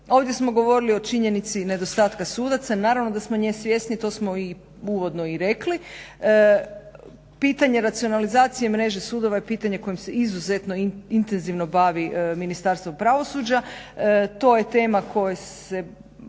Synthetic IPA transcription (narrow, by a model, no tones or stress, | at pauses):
o̞ːʋd̪je̞smo̞ɡo̞ʋo̞ɾilio̞t͡ʃiɲe̞nit̪sine̞d̪o̞st̪aːt̪kasuːd̪at̪sanaːɾaʋno̞d̪asmoɲeːsʋje̞st̪nit̪o̞smo̞i | uʋo̞d̪no̞iɾekli | piːt̪aɲe̞ɾat̪sio̞nalizaːt̪sijemɾe̞ʒesuːd̪o̞ʋajepiːt̪aɲe̞ko̞jimse̞izuzet̪no̞int̪e̞nziʋno̞baʋiminist̪aɾst̪ʋopɾaʋo̞suːd͡ʑa | t̪o̞ːjet̪e̞ːmako̞jes | e